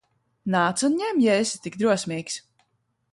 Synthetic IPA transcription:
naːt̪sunɲɛmjɛsi̥t̪ikd̪ɾuɔsʲmʲiːks

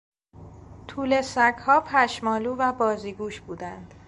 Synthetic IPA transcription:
t̪ʰuːle̞sækhɒːpʰæʃmɒːluːvæbɒːziːɡuːʃb̥uːd̪ænd̪̥

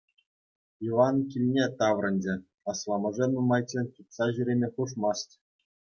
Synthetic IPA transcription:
iʋɑnkʲilʲnʲet̪ɑʋrɤ̆nʲd͡ʑɘ̆ | ɑslˠɑmɤ̆ʐenumɑjt͡ɕʲenʲt̪ʲut̪sɑʑyɾʲemʲepuʂmɑstʲ

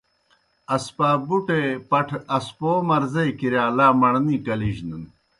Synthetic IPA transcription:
ɐspaːbuʈepɐʈʰɐspoːmɐɾzɐjkiɾjaːlaːmɐɳniːkɐliʑnun

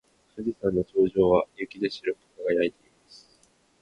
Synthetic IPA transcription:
sɯɾʲisãnːo̞to̞ːʑo̞ːβajɯkʲid̪e̞ɕiɾɯ̟ko̥kaɡajait̪e̞imasɨ̥

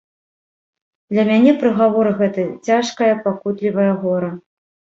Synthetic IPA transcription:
d̪lʲɐmʲanʲɛpɾɨɣavɔɾɨɣɛt̪ɨt͡sʲaʂkɐjɐpakut̪lʲivɐjɐɣɔɾɐ

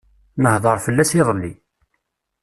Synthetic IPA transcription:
nəhðˤəɾˤfəlːæsiðˤlːi

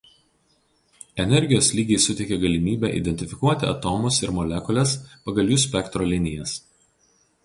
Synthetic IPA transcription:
ɛnʲɛɾʲɡʲɪjoːslʲiːɡʲɛɪsʊt̪ʲɛɪkʲɛɡɐlʲɪmʲiːbʲɛˑʔḭd̪ʲɛnʲt̪ʲɪfʲɪkuɔt̪ʲɪɐ̰t̪ɔːmʊsɪɾmɔlʲɛkɔlʲɛspɐɡɐlʲˠjuːs̬ʲpʲɛkt̪ɾɔːlʲɪnʲɪjɛs

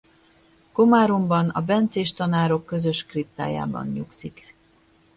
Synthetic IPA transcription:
ko̞maːɾo̞mbɒnɒ̰bɛnt̪seːʃt̪ɒnaːɾo̞kːø̞zø̞ʃkrip̚t̪a̰ːja̰ːbɒ̰nɲuksik

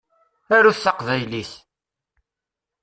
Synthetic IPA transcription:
æɾuθθɑqvæjliθ

